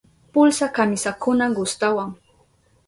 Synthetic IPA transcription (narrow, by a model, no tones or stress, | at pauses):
pʊlsakamɪsakʊnaɡʊst̪awaŋ